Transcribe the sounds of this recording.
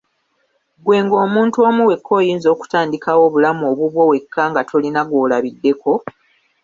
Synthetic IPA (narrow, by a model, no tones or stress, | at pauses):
ɡwe̞ːŋɡo̞ːmuːntuo̞ːmuwe̞kʰːo̞ːjiːnzo̞ːku̥taːndikawo̞ːβulamo̞ːβuβwo̞we̞kʰːaŋɡatʰo̞linaɡwoːlaβidːe̞ko̞